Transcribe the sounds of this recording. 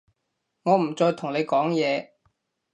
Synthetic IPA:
ŋɔː˨˧m̩˨˩t͡sɔː˧jt̪ʰʊ˨˩ŋle˨˧jkɔː˨˥ŋjɛː˨˧

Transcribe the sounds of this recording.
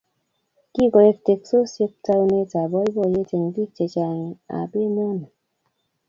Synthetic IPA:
ki˦˨ɡɔ˨ɾe˦˨kte˨k̚so˦sje˦k̚ta˧˦wu˦ne˦ta˨bɔ˦i˦bɔ˦˨je˦te˨ŋbi˦t͡ʃe˨t͡ʃa˨ŋi˨a̰˨be˦mo˦na˨

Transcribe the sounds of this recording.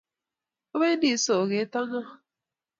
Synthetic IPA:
o˦be˦n˦di˦so˨ɣe˨˦ta˦ŋa˦

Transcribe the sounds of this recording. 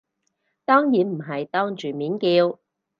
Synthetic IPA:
t̪ɔː˥ŋjiː˨˥nm̩˨˩ɦɐ˨jt̪ɔː˥ŋt͡ʃyː˨˩miː˨˥nkiː˧w

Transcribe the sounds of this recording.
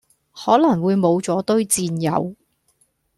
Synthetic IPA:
hɔː˨˥lɐ˨˩ŋwuː˨˧jmo˨˧wt͡sɔː˨˥t̪ɵ˥ɥt͡siː˧njɐ̰˨˧w

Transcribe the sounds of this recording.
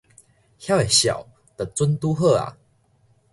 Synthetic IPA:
hja˦e˨˩ɕja̰˨˩w | t̪ə˨˩t͡su˦nt̪u˦ɦə˥˧a̰˨˩

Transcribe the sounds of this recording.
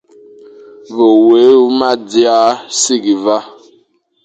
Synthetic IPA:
vo˨we˨˦u˦ma˦di˦a˦si˦ɡi˨va˦

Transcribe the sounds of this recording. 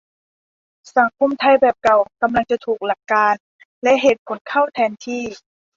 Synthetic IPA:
sa˨˦ŋkʰo˧˥˨mt̪ʰa˧jbɛː˨˩p̚ka˨˩wka˧mla˧ŋt͡ɕa˨˩t̪ʰuː˨˩k̚la˨˩kːaː˧n | lɛ˦˥ʔɦe˨˩t̪̚kʰo˨˩˦nkʰa˥˩wt̪ʰɛː˧nt̪ʰiː˥˩

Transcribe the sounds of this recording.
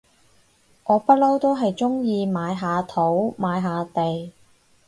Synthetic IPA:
ŋɔː˨˧pɐ˥lo˥wt̪o˥wɦɐ˨jt͡ʃʊ˥ŋjiː˧maː˨˧jɦaː˨˧t̪ʰo˨˥wmaː˨˧jɦaː˨˧t̪e˨j

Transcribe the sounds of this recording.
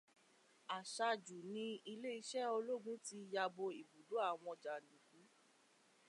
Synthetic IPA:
a˨ʃa˧d͡ʒu˨nĩ˧i˧le˦i˧ʃɛ˦o˧lo˦˨ɡũ˦ti˧ja˧bo˧i˨bu˨du˨˦a˦˨w̃ɔ̃˧d͡ʒa˨nĩ˨kũ˨˦

